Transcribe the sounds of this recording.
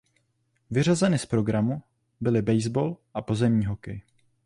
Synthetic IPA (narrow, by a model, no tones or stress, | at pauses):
vɪr̝azɛnɪspɾo̞ɡɾamu | bɪlɪbɛjzbo̞lʔapo̞zɛmɲiːɦo̞kɛj